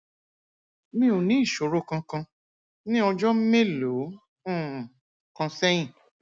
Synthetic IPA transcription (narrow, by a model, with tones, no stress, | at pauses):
mĩ˦o˨nĩ˨˦i˦˨ʃo˨ɾo˦˨kã˧kã˧ | nĩ˦ɔ˧d͡ʒɔ˦m̩˦me˦lo˨˦ | ũ˦˨ | kã˧sɛ˦j̃ĩ˦˨